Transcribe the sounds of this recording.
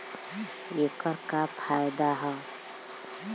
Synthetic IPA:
ekəɾkapʰajd̪aɦɛ

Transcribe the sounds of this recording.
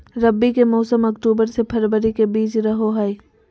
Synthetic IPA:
ɾɐbːikemɔːsəmɐkʈuːbəɾsepʰɐɾbəɾikebiːt͡ʃɾɐɦoɦɐe

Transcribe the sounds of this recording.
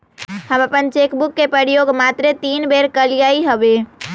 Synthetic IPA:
həməpənt͡ʃekbukːepɾəɾjoɡmat̪ɾet̪inbeɾkəlijaiɦəbe

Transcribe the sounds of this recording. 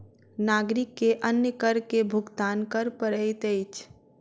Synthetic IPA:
naːɡɾɪkːeʔɐnjəkəɾkebʱʊɡt̪aːnkəɾpəɾəjt̪et͡ʃʰ

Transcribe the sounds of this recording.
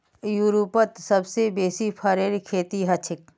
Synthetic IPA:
juɾupət̪sɐbsebeːsipʰɐɾeɾkʰeːt̪iɦɐt͡ʃʰɪk

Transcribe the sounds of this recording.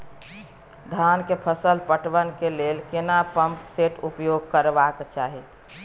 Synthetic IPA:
d̪ʱaːnkepʰəsəlpəʈʋənkeleːlkenapəmpseʈʰupjoɡ̚kəɾʋakt͡ʃaːɦi

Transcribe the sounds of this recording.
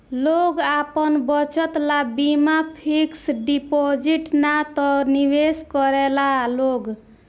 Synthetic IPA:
loɡapənbʌt͡ʃət̪labimapʰiksɖipod͡ʒiʈnat̪ɔniweskɔɾɛlaloɡ

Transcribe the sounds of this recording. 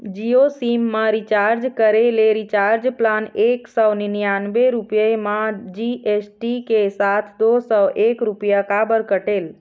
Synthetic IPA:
d͡ʒiosimːãɾit͡ʃaɾd͡ʒkəɾeleɾit͡ʃaɾd͡ʒplaneksəwninjanbeɾupjəmãd͡ʒiesʈikesat̪ʰd̪osɔwʔekɾupjəkabəɾkəʈel

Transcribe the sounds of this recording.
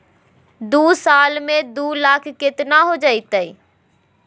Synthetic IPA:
d̪uːsaːlmẽd̪ulaːkʰːɪt̪naɦod͡ʒaːɪt̪əi

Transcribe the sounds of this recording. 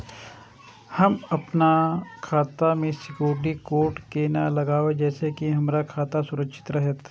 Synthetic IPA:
hɐmɐpnakʰaːt̪amẽsɪkjoːɾɖikoːɾʈkenalɐɡaːʋed͡ʒɛːsekiɦɐmɾakʰaːt̪asʊɾəkʃɪ̥t̪ɾɐɦət̪

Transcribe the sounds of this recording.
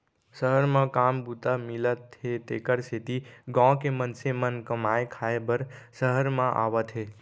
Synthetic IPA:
səɦəɾmãkaːmbut̪amɪlət̪ʰːet̪ekəɾset̪iɡɔ̃kemənsemənkəmaekʰaebəɾsəɦəɾmãʔa̰ʋət̪ʰɦe

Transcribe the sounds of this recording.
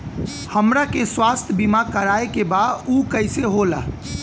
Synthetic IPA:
həmɾakeswaːst̪ʰəbimakəɾaːekebad̪uːkəɪseɦola̰ː

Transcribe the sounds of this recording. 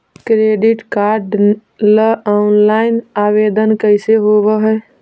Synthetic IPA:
kɾeɖiʈkaɾɖ | ləɔnlaɪinabed̪ənkəɪseɦoβəɦə

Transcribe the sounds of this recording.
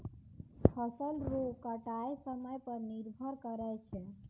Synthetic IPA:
pʰəsəlɾokəʈajsəməjpəɾniɾbʱəɾkəɾɛt͡ʃʰɛ

